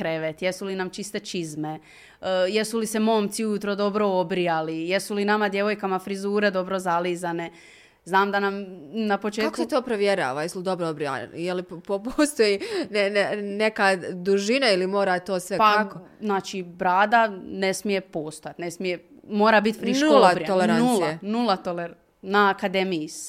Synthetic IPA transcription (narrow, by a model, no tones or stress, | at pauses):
kɾe̞ʋet̪je̞sulinamt͡ʃist̪e̞t͡ʃizme̞ | je̞sulise̞mo̞ːmt̪siujut̪ɾo̞d̪o̞bɾo̞obɾijalije̞sulinamad̪je̞ʋo̞jkamafɾizuːɾe̞d̪o̞bɾo̞zaliːzane̞ | znaːmd̪anamnapo̞t͡ʃeːako̥set̪oːpɾoʋjeɾa̰ːʋajesulid̪o̞bɾoobɾija̰njelipopoːst̪ojinennekad̪uʒinailimoːɾaːt̪oːsʋepaznaːt͡ʃibɾaːd̪ane̞smije̞poːst̪ojat̪ne̞smijemo̞ːɾabit̪fɾiʃolabɾiaoleɾanulanulˠat̪oleɾ | naːkad̪e̞mijis